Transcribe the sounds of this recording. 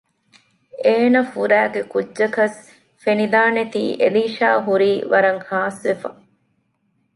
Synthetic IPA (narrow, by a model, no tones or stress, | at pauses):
eːnɐfuɾæːɡekudʒɐkɐs | fenid̪aːnet̪ḭːʔḛliːʃaːɦuɾiːʋɐɾɐŋhaːsʋefɐ̰